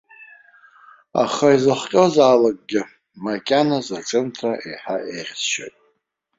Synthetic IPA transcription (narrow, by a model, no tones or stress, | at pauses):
a̰χaizɨχʷkʲʼozaːlak̚ʼɡʲɪ | makʲʼanazaʈ͡ʂʼɨntʰraʔḛjħaʔeʁʲzʃa̰jtʼ